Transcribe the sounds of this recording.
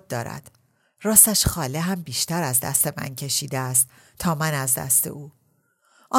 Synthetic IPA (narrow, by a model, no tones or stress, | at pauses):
d̪̚d̪ɒ̰ːɾæ̰d̪̥ | rɒːst̪æʃxɒːleɦæmbiːʃt̪æɾæzd̪æ̰st̪e̞mæ̰ncʰe̞ʃiːd̪eːst̪ʰ | ɒːmænæzd̪æ̰st̪e̞̰ʔuː | ʔɒː